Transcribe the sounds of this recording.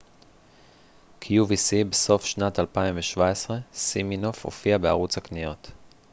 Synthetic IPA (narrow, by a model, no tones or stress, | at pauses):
kʰijuvisibeso̞fʃnatalpaimveʃvaesʁe̞simino̞fho̰fiabea̰ʁut͡shaknijo̞t